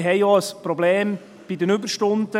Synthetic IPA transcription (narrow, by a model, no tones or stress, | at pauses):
ɦɛɪjɑːəspɾobleːm | b̥idənʏbəɾʃtʊnd̪̥ə